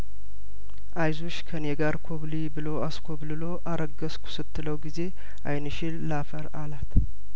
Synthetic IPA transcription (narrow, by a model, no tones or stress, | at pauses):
ʔajzoʃkʰəneɡaɾkʰoβlibɨlo̞askʰoblɨlo̞ʔaɾəɡəskʰu̥sɨt̪ːɨləwɡize̞ | ʔa̰jnɨʃɪlːafəɾalat̪